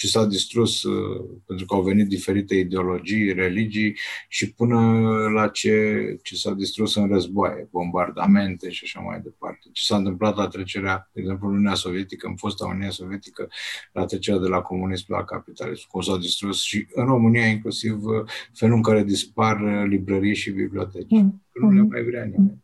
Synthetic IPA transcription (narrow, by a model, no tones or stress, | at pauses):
t͡ʃesad̪ist̪ɾuspent̪ɾukəawve̞nit̪̚d̪ife̞ɾit̪e̞id̪eo̞lo̞d͡ʒijre̞lid͡ʒijʃipɨnəlat͡ʃe̞t͡ʃesad̪ist̪ɾusɨnrəzboa̰jḛbo̞mbard̪a̰me̞nt̪e̞ʃaʃa̰ma̰jd̪e̞pa̰rt̪e̞t͡ʃe̥saɨnt̪ɨmplat̪lat̪ɾe̞t͡ʃe̞ɾead̪eɡze̞mp̬lununeaso̞vje̞t̪ikəɨ̰mfost̪a̰ṵniaso̞vijet̪i̥kəlʔa̰t̪ɾet͡ʃeɾead̪e̞lako̞munismla̰kapit̪a̰lḭsmkumsad̪ist̪ɾusʃiɨnro̞mɨnijaiŋklusivfe̞luɨŋkaɾe̞d̪isparlibɾəɾijʃibḭblio̞̰t̪et͡ʃikənumama̰jvɾeanimeɲ